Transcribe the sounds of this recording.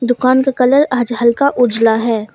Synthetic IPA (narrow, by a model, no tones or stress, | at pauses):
d̪ʊkaːnkakɐləɾaːd͡ʒɦɐlkaʔʊd͡ʒlaɦɛː